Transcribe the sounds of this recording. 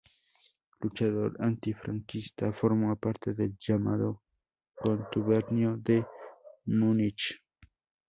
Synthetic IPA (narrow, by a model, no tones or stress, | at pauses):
lʊt͡ʃado̰ɾant̪ifɾaŋkist̪afoɾmapaɾt̪ed̪eld͡ʒamad̪o | kont̪uβeɾnjod̪e | munit͡ʃ